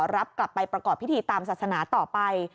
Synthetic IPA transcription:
ɾa˦˥p̚kla˨˩pːa˧jpɾa˧kɔː˨˩pʰːi˦˥iː˧t̪aː˧msaː˨˩sa˧naː˩˦t̪ɔː˨˩pa˧j

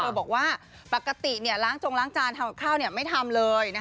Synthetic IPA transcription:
bɔː˨˩k̚waː˥˩ | pa˨˩kːa˧t̪i˨˩ni˥˩ɐlaː˦˥ŋt͡ɕo˧ŋlaː˦˥ŋt͡ɕaː˧nt̪ʰa˧m˨˩kʰaː˥˩wni˥˩ɐma˥˩jt̪ʰa˧mlɤː˧jna˦˥

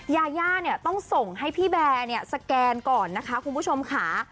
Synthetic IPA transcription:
jaː˧jaː˥˩ni˦˥˩ɐt̪ɔ˥˩ŋso˨˩ŋɦa˥˩jpʰiː˥˩bɛː˧ni˥˩ɐsa˧kɛː˧nkɔː˨˩nːa˦˥kʰa˦˥kʰu˧npʰu˥˩t͡ɕʰo˧mkʰa˦˥

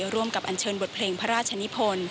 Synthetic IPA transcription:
ɾu˧əmka˨˩p̚ʔa˧˩nt͡ɕʰɤː˧nbo˨˩t̪̚pʰleː˧ŋpʰa˦˥ɾaː˥˩t̚t͡ɕʰa˧ni˦˥pʰo˧n

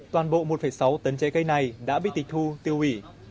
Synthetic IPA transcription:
t̪waː˨˩nɓo̰˧˨mo˨˩t̚fəː˧˩jsa˨˦wt̪ə˨˦nt͡ɕɛ˨˦ɣə˧jna˨˩jɗa̰ː˧˥ɓḭ˧˨t̪i˨˩t̪ʰu˧t̪i˧əwi˧˩

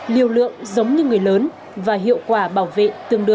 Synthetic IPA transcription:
li˨˧˩əwlɨ̰˧˨əŋzə˨˦wŋ͡mɲɨ˧ŋɨ˨˩əjləː˨˦n | vaː˨˩ɦḭ˧˨əwkwaː˧˩ɓaː˧˩wvḛ˧˨t̪ɨ˧˩əŋɗɨ˧˩

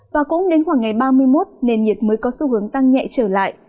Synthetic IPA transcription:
vaː˨˩kʊ̰˧˥ŋ͡mɗe˨˦nxwaː˧˩ŋːa˨˩jɓaː˧mɨ˧əjmo˦˥t̚ne˨˩nŋi˨˩ət̚məː˨˦jkɔ˨˦su˧˩hɨ˨˦əŋt̪a˧ŋɲɛ̰˧˨t͡ɕəː˧˩la̰ː˧˨j

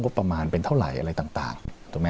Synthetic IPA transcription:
ŋo˦˥pːɾa˧maː˧npe˧nt̪ʰa˥˩wɾa̰˨˩jʔa̰˧ɾa˧jt̪aː˨˩ŋt̪a̰ː˨˩ŋt̪ʰu˨˩˦mɛː˦

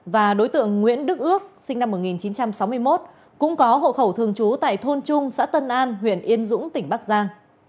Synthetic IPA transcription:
vaː˨˩ɗo˨˦jt̪ɨ̰˧˨əŋːwḭ˧˥ənɗɨ˦˥k̚ʔɨ˦˥ək̚sï˧ŋ̟na˧mːo˨˩ŋi˨˩nt͡ɕi˨˦nt͡ɕa˧msa˨˦wmɨ˧əjmo˦˥t̚ | kʊ̰˧˥ŋ͡mkɔ˨˦ɦo̰˧˨xə˧˩wt̪ʰɨ˨˩əŋt͡ɕu˨˦t̪a̰ː˧˨jt̪ʰo˧nt͡ɕʊ˧ŋ͡msa̰ː˧˥t̪ə˧nʔaː˧nɦwḭ˧˨ənʔi˧ənzʊ̰˧˥ŋ͡mt̪ï˩ŋ̟ɓaː˦˥k̚zaː˧ŋ

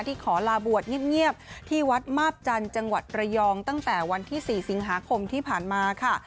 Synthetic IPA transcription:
t̪iː˥˩kʰɔː˩˦laː˧bu˨˩ət̪̚ŋi˥˩ə˩p̚ŋi˥˩əp̚t̪ʰiː˥˩wa˦˥t̪̚maː˥˩p̚t͡ɕa˧nt͡ɕa˧ŋwa˨˩t̪̚ɾa˧jɔː˧ŋt̪a˥˩ŋt̪ɛː˨˩wa˧nt̪ʰiː˥˩siː˨˩si˩˦ŋɦaː˩˦kʰo˧mt̪ʰiː˥˩pʰaː˨˩nmaː˧kʰa˥˩

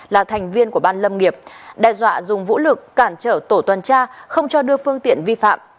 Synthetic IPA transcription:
laː˨˩t̪ʰɛ˨˩jŋ̟vi˧ənku˧˩əɓaː˧nlə˧mŋi˨˩əp̚ɗɛː˨˩zwa̰ː˧˨zʊ˨˩ŋ͡mvṵ˧˥lɨ˨˩k̚ːaː˧˩nt͡ɕəː˧˩t̪o˧˩t̪wə˨˩nt͡ɕaː˧xə˧wŋ͡mt͡ɕɔ˧ɗɨ˧əfɨ˧əŋt̪ḭ˧˨ənvi˧fa̰ː˧˨m

